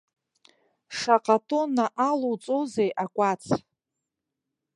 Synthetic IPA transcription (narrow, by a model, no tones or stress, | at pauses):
ʂaqʼatʰʼonaʔalut͡sʼozejʔakʷʼat͡sʰ